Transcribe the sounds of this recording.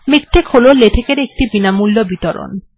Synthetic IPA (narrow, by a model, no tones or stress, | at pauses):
mik̚ʈʰekhololeʈʰekeɾek̚ʈibinamulːobit̪oɾo̰n